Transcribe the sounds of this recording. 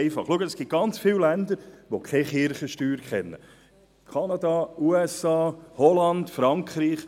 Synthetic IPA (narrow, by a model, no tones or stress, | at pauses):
ɪfɑ̰χluəɡəəsɡ̥ɪt̚ɡ̥ɑnt͡sfɪwlænd̪əɾʋokʰɛχɪɾχəʃtyːɾkʰɛnːə̰ | kʰɑnɑd̪ɑuɛsɑːhɔlɑnd̪fɾɑŋkʰɾiːχ